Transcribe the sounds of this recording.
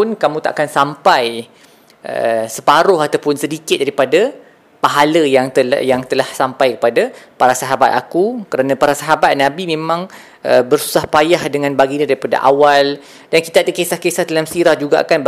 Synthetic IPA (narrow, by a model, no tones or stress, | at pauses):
ʊnkamũt̪a̰ʔakansampaj | ʔə̰sə̥paɾʊɦat̪awpʊnsədikɪt̪̚daɾipada | paɦaləjaŋə̰jaŋt̪əlahsampajkə̥padapaɾasaɦabat̪̚akukəɾanãpaɾasaɦabat̪̚nãbimẽmãŋ | ʔəbərsu̥sahpajahdəŋãnbaɡiɲãdaɾipada̰ʔa̰wal | danki̥t̪adəkesahkesaht̪əlamsiɾahd͡ʒuɡaʔa̰kan